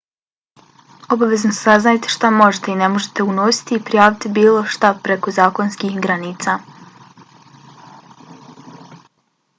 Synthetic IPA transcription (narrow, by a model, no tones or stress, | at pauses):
o̞baʋe̞znossaznajet̪eʃt̪amo̞ʒet̪e̞ine̞mo̞ʒe̥t̪e̞uno̞si̥t̪iːpɾijaːʋit̪ibiːlˠo̞ʃt̪apɾe̞ko̞zaːkonskiːxɡɾaniːt̪sa